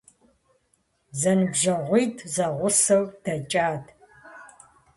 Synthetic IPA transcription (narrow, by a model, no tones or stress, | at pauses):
zɐnɨbʒɐʁʷiːtʰzɐʁʷʊsɐwd̥ɐt͡ʃʼaːtʰ